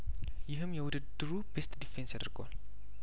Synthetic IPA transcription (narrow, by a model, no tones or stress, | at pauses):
jɪɦɨmːjɛwʊd̪ɨd̪ːɨɾubest̪d̪ifensad̪ɨɾɡəwal